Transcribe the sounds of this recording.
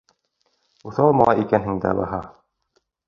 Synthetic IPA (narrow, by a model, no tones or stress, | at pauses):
uθɑlˠmɑlˠɑʔikænɦɘŋd̪æ̰bɑɦɑ